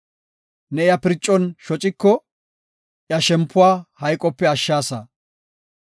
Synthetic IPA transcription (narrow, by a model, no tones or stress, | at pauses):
nɛɪjɐpɪɾt͡ʃʼːɔnʃɔt͡ʃʼɪkːɔ | ʔjɐʃɛmpːʊwaːhɐjkʼɔpːɛɐʃːaːsɐ